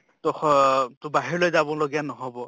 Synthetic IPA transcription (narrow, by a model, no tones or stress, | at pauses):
tɔxtʊbaɦiɹlojzabɔloɡijanɔɦɔbɔ